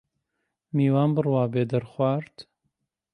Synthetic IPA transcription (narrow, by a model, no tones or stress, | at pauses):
miːwaːnbɨrwaːbeːd̪ɐɾxwaːɾt̪